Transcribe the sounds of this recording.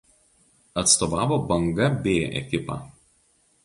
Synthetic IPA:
ɐt̪st̪oːʋɑːʋoːbɐŋɡɐbʲeːʔɛ̰kʲɪpɑ̰ː

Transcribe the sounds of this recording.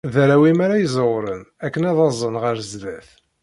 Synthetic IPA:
ðæɾæwimaɾajzˤəwɾənækːənæðɑzˤənʁəɾəzðæθ

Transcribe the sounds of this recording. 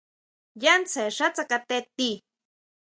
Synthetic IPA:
jant͡saeʂat͡sakat̪et̪i

